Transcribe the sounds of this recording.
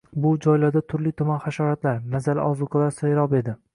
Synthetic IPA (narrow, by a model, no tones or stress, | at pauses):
bʊd͡ʒɒjlaɾd̪at̪ʰʊɾlɪt̪ʰʊmanχaʃɒɾat̪laɾnazalɪ̰ʔɒzʊqʰɨlaɾsajɾɒbe̞d̪ɪ